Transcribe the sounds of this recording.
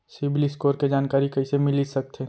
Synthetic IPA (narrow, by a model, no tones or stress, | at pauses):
sɪbliskoːɾked͡ʒaːnkaːɾikɐisemɪlisɐk̚t̪ʰeː